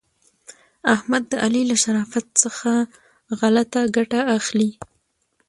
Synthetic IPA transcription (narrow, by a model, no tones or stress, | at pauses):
ahmad̪ːəʔalilaʃaɾɑfat̪̚səxa | ɣalat̪aɡaʈaaxli